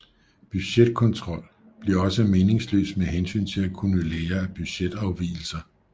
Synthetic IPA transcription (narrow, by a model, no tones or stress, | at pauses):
b̥yɕed̥̚kʰɒ̽nt͡sʰʁɒ̽l̰ | b̥liɐɒ̽səme̝ːne̝ŋslø̰ːsmeɦensy̰ːnt͡sʰe̝lækʰunəleːɐæb̥yɕed̥ɑ̈ʊʋḭːl̩sɐ